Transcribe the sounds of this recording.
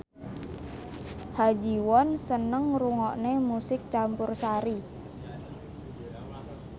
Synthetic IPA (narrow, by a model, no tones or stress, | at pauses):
had͡ʒi̤wɔnsənəŋruŋɔʔnemusɪk̚t͡ʃampʊrsaɾi